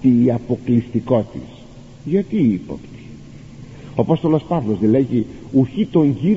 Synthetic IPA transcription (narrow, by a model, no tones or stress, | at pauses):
t̪iːɐpo̞klist̪iko̞t̪ḭs | ʝɐt̪iipo̰pt̪i̥ | oɐpo̞st̪o̞lo̞spɐvlo̞zðeleʝi | uçit̪o̞ɲʝi